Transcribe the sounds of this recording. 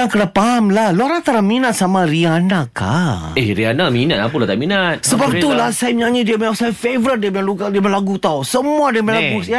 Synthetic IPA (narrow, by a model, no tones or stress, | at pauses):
akədapamlahluaɾant̪aɾaminat̪̚samarianaka̰ehɾianaminat̪̚apulat̪aiminat̪̚səbap̚t̪ulahsajamiɲãʔɲidiamasajafevəɾət̪̚diamaluɡadimalaɡut̪awsəmuadiamalaɡuja